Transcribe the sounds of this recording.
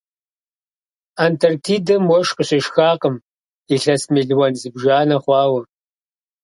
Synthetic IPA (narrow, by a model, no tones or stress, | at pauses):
antʰɐrtʰiːdɐmwɔʂqəɕɪʃxaːqəm | iɬɐsmeɮwɐnzɨbʒaːnɐχʷɑːwɐ